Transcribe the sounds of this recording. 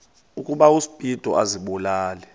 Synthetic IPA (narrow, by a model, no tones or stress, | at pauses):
ukʼuɓausi̥b̥ʼʱid̥ʱɔʔaziɓɔlaːlɛ